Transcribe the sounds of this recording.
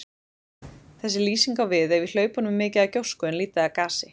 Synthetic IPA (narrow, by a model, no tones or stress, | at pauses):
θɛsːɪliːsiŋkawvɪðɛɾvil̥œːɥpanʏmːɪːcɪðacowskʏɛnliːt̪ɪðakaːsɪ